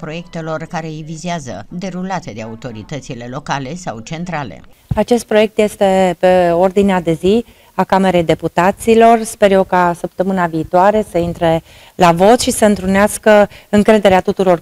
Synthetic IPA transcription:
pɾo̞je̞k̚t̪e̞lo̞rkaɾe̞ijvizeazə̰d̪e̞ɾulat̪e̞d̪eaut̪o̞ɾḭt̪ət̪sile̞lo̞kale̞sawt͡ʃe̞nt̪ɾale̞̰ | at͡ʃe̞st̪̚pɾo̞je̞k̚t̪je̞st̪e̞pe̞o̞rd̪inead̪e̞zi | akame̞ɾe̞jd̪e̞put̪at̪silo̞rspe̞ɾje̞wkasəpt̪əmɨnaviːt̪oaɾe̞səint̪ɾe̞ | lavo̞t̪ʃisəɨnt̪ɾuneaskəɨŋkɾe̞d̪e̞ɾeat̪ut̪uɾo̞r

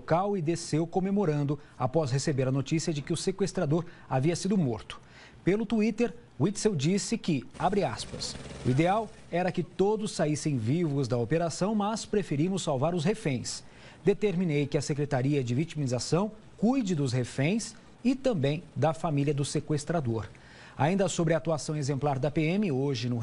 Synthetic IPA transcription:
okawɪd̪esewkomemoɾɐ̃nd̪ʊ | apɔsɦesebeɾɐnot͡ʃisiɐd͡ʒɪkɪʊsekwest̪ɾad̪oɾaviɐsid̪ʊmoɾt̪ʊ̥ | pelʊt̪uit̪eɾ | wit̪sewd͡ʒisɪkɪabɾɪaspɐ̰sʊid̪eaw | ɛɾɐkɪt̪od̪ʊsːaisẽj̃vivʊzd̪ɐopeɾasɐ̃w̃mɐspɾefeɾimʊsːawvaɾʊshefẽj̃s | d̪et̪eɾminejkɪɐsekɾet̪aɾiɐd͡ʒɪvit͡ʃimizasɐ̃w̃ | kujd͡ʒɪd̪ʊshefẽj̃s | ɪt̪ɐ̃mbẽj̃d̪ɐfamiliɐd̪ʊsekwest̪ɾad̪oɾ | a̰ĩnd̪ɐsobɾɪɐat̪uasɐ̃w̃ezẽmplaɾd̪ɐpeẽmɪoʒɪnʊ

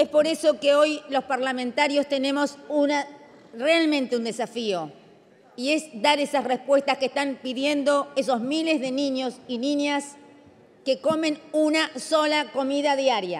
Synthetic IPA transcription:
espo̞ɾe̞so̞keo̞jlo̞spaɾlamẽnt̪aɾjo̞st̪e̞ne̞mo̞suna | realmẽ̞nt̪eund̪e̞safio̞ | ie̞sd̪aɾesasrespwe̞st̪askest̪ampiðje̞nd̪o̞e̞so̞zmile̞zðe̞nĩɲo̞siniɲjas | keko̞mẽ̞nunaso̞lako̞miðaðjaɾja̰

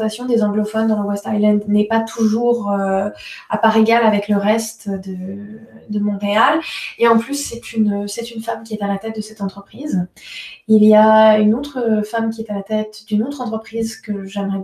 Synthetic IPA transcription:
asjɔ̃d̪ezɑ̃ɡlɔfɔnd̪ɑ̃ləwɛst̪ajlɛ̃d̪nɛpat̪ʰuʒuʁø | a̰paʁeɡalavɛkləʁɛst̪d̪ə | d̪əmɔ̃ʁealeɑ̃plysːɛt̪ynsɛt̪ynfamkʲiɛt̪alat̪ɛt̪̚d̪əsɛt̪ɑ̃t̪χəpχiz | ilijaynot̪χəfamkʲiɛt̪alat̪ɛt̪d̪ynot̪χɑ̃t̪χəpχizkəʒɛmʁɛ

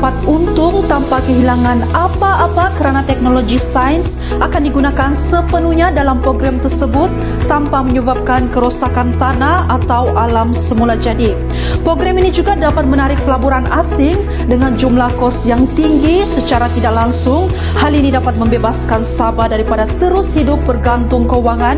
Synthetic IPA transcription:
pat̪̚unt̪ʊŋt̪ampakəɦilaŋanapaʔːpakəɾanat̪ɛk̚noloɡisajns | akandiɡunakansəpənuhɲadalampɾoɡɾamt̪ərsəbʊt̪ː | ampaməɲəbap̚kankəɾosakant̪anaat̪awʔalamsəmulad͡ʒadi | pɾoɡɾaminid͡ʒuɡadapat̪̚mənaɾɪk̚pəlabuɾanʔasɪŋ | dəŋand͡ʒumlahkɔsjaŋt̪iŋɡisət͡ʃaɾat̪idaklaŋsʊŋ | halinidapat̪̚məmbebaskansabadaɾipadat̪əɾʊshidʊp̚bərɡant̪ʊŋkəuwaŋan

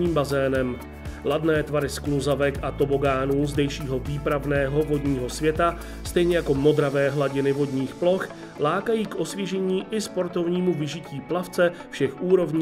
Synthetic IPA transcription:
iːmbazɛːnɛm | ladnɛːt̪vaɾɪskluzavɛkʔat̪o̞bo̞ɡaːnuːzdɛjʃiːɦo̞viːpɾavnɛːɦo̞vo̞dɲiːɦo̞svjɛt̪a | st̪ɛjɲɛjako̞mo̞d̪ɾavɛːɦlaɟɪnɪvo̞dɲiːxplo̞x | laːkajiːkʔo̞svjɛʒɛɲiːʔɪspo̞ɾt̪o̞vɲiːmuvɪʒɪciːplaft͡sɛfʃɛxʔuːɾo̞vɲː

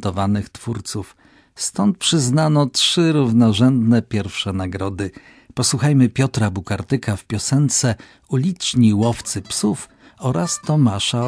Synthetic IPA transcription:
t̪ɔvanɘxt̪fuɾt̪suf | st̪ɔnt̪̚pʂɘznanɔtʂɘɾuvnɔʐɛnd̪nɛpʲjɛɾfʂɛnaɡɾɔd̪ɘ | pɔswuxajmɘpʲjɔt̪ɾabukaɾt̪ɘkafpʲjɔsɛnt̪sɛ | ulʲit͡ʂɲiwɔft̪sɘpsuf | ɔɾast̪ɔmaʂa

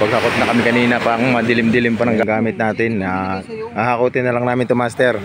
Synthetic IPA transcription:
pɐɡ̚hakot̪̚nɐkɐmɪkɐniːnɐpakomɐd̪ɪlɪmd̪ɪlɪmpɐnɐŋɡaŋɡaːmɪt̪̚naːt̪ɪnahahakut̪ɪnːɐlɐŋnaːmɪnt̪ʊmast̪ɛɾ

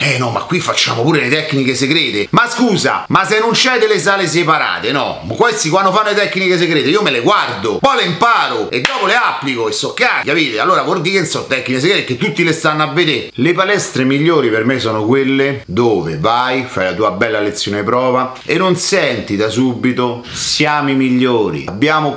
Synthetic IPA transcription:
ɛnɔma̰kːwifːat͡ʃːa̰ːmopuːɾelet̪ɛkːnikeseɡɾeːt̪emaskuːza̰masenːont͡ʃɛjd̪elːes̬aːles̬epaɾa̰ːt̪enɔ̰kwest̪ik̬wanːd̪ofanːolet̪ɛkːnikes̬eɡɾeːt̪eiːomeleɡward̪opɔjleimpaːɾoed̪ːɔːpoleapːlikoesːɔkːjakapiːt̪ealːoːɾavord̪ikensɔt̪ːɛkːnikes̬eɡɾekːet̪ːut̪ːilest̪anːoavːed̪elepalɛst̪ɾemiʎːoːɾipermesɔːnokwelːed̪oːvevajfajlat̪uːabɛlːalet̪sːjoːnepɾɔːva | enːonsɛnt̪id̪asubːit̪o | sjaːmimiʎːoːɾḭabːjaːmo

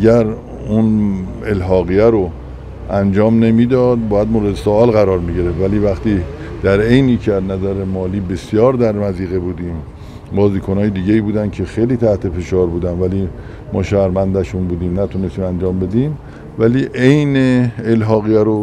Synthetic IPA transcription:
ææɾ | un | e̞lɦɒːɣijæɾo | ænd͡ʒɒːmne̞miːd̪ɒd̪̚bɒːjæd̪moːɾed̪esoɒːlɣæɾɒːɾmiɟiɾefvæliːvæχt̪iː | d̪̥æɾe̞jniːcʰeæznæzæɾemɒːliːbe̞sjɒːɾd̪æɾmæziːɣebuːd̪iːm | bɒːziːkʰonɒːjed̪iːɟeiːbuːd̪ænkʰe̞xejliːt̪ʰæht̪ʰe̞fe̞ʃɒːɾbuːd̪ænvæliː | mɒ̰ːʃæhɾmænd̪æʃunbuːd̪iːmnæt̪ʰune̞st̪iːmænd͡ʒɒːmbe̞d̪iːm | væliːʔejneːlɦɒːɣijæɾo

